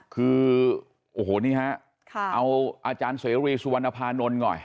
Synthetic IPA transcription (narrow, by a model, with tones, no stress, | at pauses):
kʰɯː˧ | ʔoː˧˩ɦoː˨˩˦niː˦˥˩ha˦˥ʔ | kʰʔa˧wʔaː˧t͡ɕaː˧nseː˨˦ɾiː˧su˧wa˧nːa˧pʰaː˧nːo˧nŋɔ̰˨˩j